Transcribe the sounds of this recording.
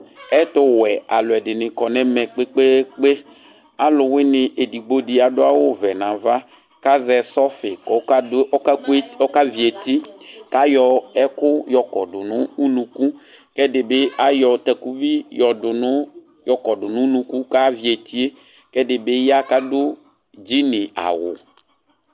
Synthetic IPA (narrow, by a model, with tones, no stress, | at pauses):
ɛ˦tʊ˦wɛ˨a˨lʊ˨ɛ˨dɪ˨nɪ˨kɔ˨nɛ̃˦mɛ̃˨k͡pe˦k͡pe˦k͡pe˦ | a˨lʊ˨wɪ˦nɪ˨ʔe˨di˨ɡ͡bo˦dɪ˨˦a˨dʊ˦a˦wʊ˦vɛ˨nã˨va˦ | ka˦zɛ˨sɔ˦fɪ˨kɔ˨˦ka˦ke˦ɔ˦ka˦vi˨e˨ti˦ka˦jɔ˨ɛ˦kʊ˦jɔ˨kɔ̰˨dʊ˨nʊ˦u˦nũ˨ku˦ | kɛ˦dɪ˨bɪ˦a˦jɔ˨t̪ɛ˨ku˦vi˦jɔ˨dʊ˨nʊ˦ | jɔ˨kɔ˨dʊ˨nʊ̃˦nũ˨˦ku˦ka˦vi˨e˨t̪ʰi˦e˦ | kɛ˦dɪ˨bɪ˦ja˦ka˦dʊ˦ | d͡ʒi˦nɪ˨a̰˨wʊ̰˨